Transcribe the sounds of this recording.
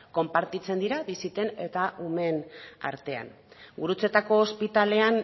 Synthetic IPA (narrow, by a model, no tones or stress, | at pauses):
ko̞mpaɾt̪it͡se̞nd̪iɾaβisit̪e̞ne̞t̪aʔume̞na̰ɾt̪e̞a̰n | ɡuɾut͡se̞t̪ako̞ːspit̪ale̞an